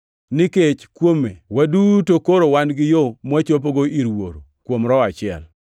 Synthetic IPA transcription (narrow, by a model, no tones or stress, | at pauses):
nɪket͡ʃkwomewadutokoɾowanɡɪjomat͡ʃop̬oɡoiɾwoɾokwomɾɔat͡ʃɪɛ̰l